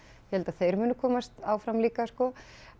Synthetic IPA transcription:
jɛhɛlt̪aðθejɾmʏːnʏkʰɔːmast̪aːwfɾamliːkaskɔ

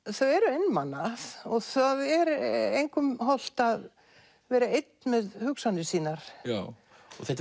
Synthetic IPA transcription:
θœɥɛɾʏejnmanːaɔɣθaðɛɾejŋkʏmɦɔl̥t̪að | vɛːɾaejt̪nmɛðhʏksanɪ̥siːnaɾ̥ | ɔθɛht̪

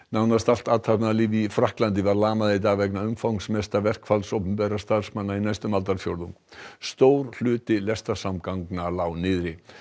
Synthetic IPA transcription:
nawnast̪al̥t̪aːt̪ʰapnalɪvifɾahklant̪̬ɪvaɾlaːmaðet̪̬avɛknaʏmfawŋsmɛst̪avɛr̥kfalsowpɛmpɛɾast̪aɾr̥smanːainajst̪ʏmalt̪aɾfjowɾðuŋst̪oːwɾ̥l̥ʏːt̪ɪlɛst̪asamkawŋknalawnɪːðɾɪ

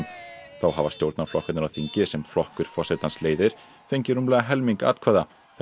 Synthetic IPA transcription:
mθawɦaːvast̪jowɾt̪naɾflɔhkʏt̪nɾawθiɲcɪsɛmflɔhkʏɾ̥fɔsɛt̪ansleːjðɪɾ̥ | θejɲcɪɾʏmlɛːɣaɦɛlmiŋka̰ːt̪kʰvɛːða | θ

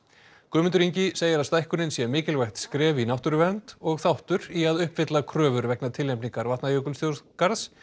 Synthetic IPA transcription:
kʏːmʏnt̪ʏɾiɲcɪseːjɪɾawst̪ajhkʏnɪnsjɛmɪːcɪlvajht̪skɾɛːvinawht̪ʏɾʏvɛnt̪ɔɣθawht̪ʏɾiaðʏhpvɪt̪lakʰɾœːvʏɾvɛknat̪ʰɪlɛmpniŋkaɾvaht̪najœːkʏlst̪jowkaɾðs

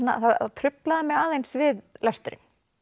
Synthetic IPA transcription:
nːa̰θaat̪ʰɾʏplaðamɛɣaːðejnsvɪðlast̪ʏɾɪ̰n

